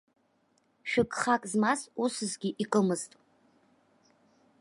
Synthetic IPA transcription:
ʃᶣʊkʼχakʼzmasusɨzɡʲiʔikʼəmɨztʼ

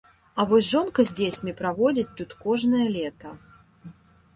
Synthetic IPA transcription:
ɐvɔsʲʐɔnkɐzʲd͡zʲet͡sʲmʲipɾavɔd͡zʲit͡sʲt̪ut̪kɔʐnɐjɐlʲɛt̪ɐ

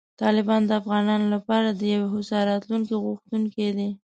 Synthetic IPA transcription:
t̪ɑlɪbɑnd̪əafɣɑnɑnolapɑɾad̪əjaweɦʊsɑɾɑt̪luŋkiɣuxt̪uŋked̪i

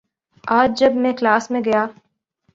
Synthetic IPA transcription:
aːd͡ʒd͡ʒɐbmẽklaːsmẽɡɐjaː

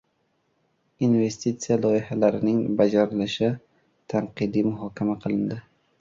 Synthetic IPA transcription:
inve̞st̪it̪sijalˠɒjɪhalaɾɪnɪŋbad͡ʒaɾɪlɪʃɪ | t̪ʰaɴqɨd̪imʊɦɒkʲʰamaqʰɨlˠɪnd̪ɪ

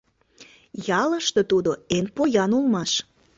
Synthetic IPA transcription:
jɑləʃt̪ot̪ud̪oenpojɑnulmɑʃ

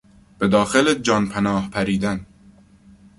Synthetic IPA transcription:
b̥ed̪ɒːxeled͡ʒɒːnpʰænɒːhpʰæɾiːd̪æn

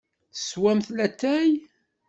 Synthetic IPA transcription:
θswæmθlæt̪ːæj

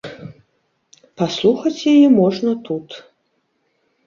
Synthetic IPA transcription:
paslˠuxɐt͡sʲjajɛmɔʐnɐt̪ut̪

